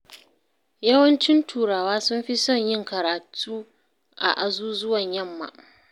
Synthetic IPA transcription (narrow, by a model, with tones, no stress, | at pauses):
jɐ˦wɐ˦nt͡ʃɪ˦ntʰuː˨ɾaː˨waː˦sʊ˦mɸi˦sɔ˦˨ɲjɪ˦˨ŋkɐ˨ɾaː˨tʰuː˦ | ʔa̰˨ʔa˨zuː˦zʊ˦wɐ˨ɲjɐ˦mːa̰˨